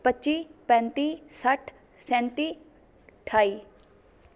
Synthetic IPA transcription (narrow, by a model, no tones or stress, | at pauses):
pətːt͡ʃiːpɛ̃ːnt̪iːsəʈʰ | sɛ̃ːnt̪iː | ʈʰaːiː